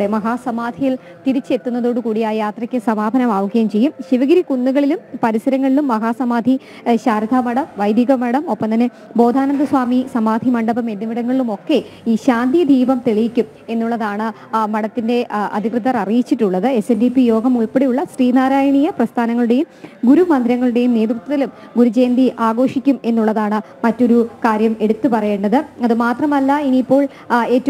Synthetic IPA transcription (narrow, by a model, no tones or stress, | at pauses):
emɐɦaːsɐmaːd̪ʱijil | t̪iɾit͡ɕːe̞t̪ːunːɐðo̞ːɽɨkuːɽijaːjjaːt̪rɐkʲːɨsɐmaːbʱɐnɐmaːʋɐɡɐjɐmt͡ɕe̞jːumɕiʋɐɡɐɾikunːuɣɐɭilumpɐɾisɐɾɐŋːɐɭilumːɐɦaːsɐmaːd̪ʱi | ɕaːɾɐd̪ʱaːmɐɽɐmʋɐjd̪jɐɣɐmɐɽɐmo̞pːɐmt̪ɐnːe | bo̞ːd̪ʱaːnɐnd̪ɐswaːmisɐmaːd̪ʱimɐɳɖɐbɐme̞nːiʋiɽɐŋːɐɭilumo̞kːe̞ | iːɕaːnd̪ijɐd̪ʱiːbɐmt̪e̞ɭijikʲːum | e̞nːuɭːɐðaːɳɨ | mɐɽɐt̪ːinde̞ɐ̰d̪ʱikrɨðɐrɐrijit͡ɕːiʈːuɭːɐðɨesendipːijo̞ːɡɐmuɭpeɽejuɭːɐsriːnaːɾaːjɐɳijɐprɐst̪ʰaːnɐŋːɐɭuɽe̞jumɡuɾumɐnd̪ɾɐŋːɐɭuɽe̞jumne̞ːd̪rut̪ːɐðɐlum | ɡuɾut͡ɕe̞ːnd̪iʔaːɡo̞ːʂikʲːume̞nːuɭːɐðaːɳɨ | mɐtːo̞ɾukaːɾjɐme̞ɽut̪ːupɐrɐjeːɳɖɐðɨɐðɨmaːt̪rɐmɐlːɐiniːpːo̞ːɭ | e̞ːtːɐ